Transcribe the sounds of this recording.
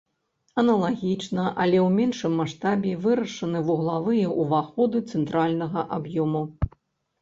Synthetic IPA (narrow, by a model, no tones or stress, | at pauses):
ɐnɐlˠaɣʲit͡ʂnɐʔɐ̰lʲɛwmʲɛnʂɨmːaʂt̪abʲɛvɨɾɐʂɐnɨvuɣlˠavɨjɛʔuvaxɔd̪ɨt̪sɛnt̪ɾalʲnɐɣɐʔabjɔmu